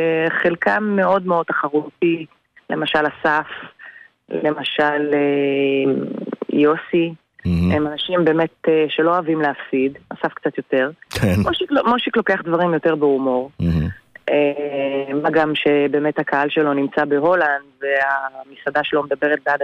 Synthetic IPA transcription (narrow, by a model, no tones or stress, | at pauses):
χelkamːe̞o̞dmeo̞d̚t̪aχaʁuti | le̞maʃalasaf | le̞maʃale | jo̞si | emanaʃimbe̞ːme̞t̪eʃe̞loavimleafsidasafkt͡sat̪jo̞te̞ʁkʰemoʃikmoʃiklo̞ke̞aχd̪vaʁimjo̞te̞ʁbeumo̞ʁ | e | maɡamʃe̞be̞ːmethakʰaalʃe̞lo̞nimt͡sabe̞ɦo̞landveamisad̪aʃe̞lo̞med̪abe̞ʁet̚bead